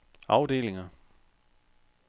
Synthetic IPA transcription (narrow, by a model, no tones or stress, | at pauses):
ɑ̈ʊd̥e̝̰ːle̝ŋɐ